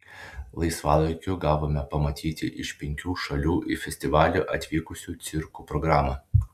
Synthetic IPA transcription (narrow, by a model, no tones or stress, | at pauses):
lˠɐɪsʋɑːlˠɐɪkʲʊɡɑːʋoːmʲɛpɐmɐt̪ʲiːt̪ʲɪʔɪʃpʲɛŋʲkʲuːʃɐlʲuːʔifʲɛsʲt̪ʲɪʋɑːlʲuːʔɐt̪ʲʋʲiːkʊsʲuːt̪sʲɪɾkuːpɾɔɡɾɑːmɑ